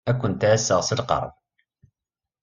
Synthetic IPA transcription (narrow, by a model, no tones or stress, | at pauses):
ækʷːʊnt̪ʕæsːəʁsəlqɑ̰ɾˤn